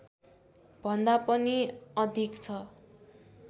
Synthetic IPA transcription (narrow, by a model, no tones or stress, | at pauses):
bʱʌnd̪apʌniʌd̪ʱikt͡sʰʌ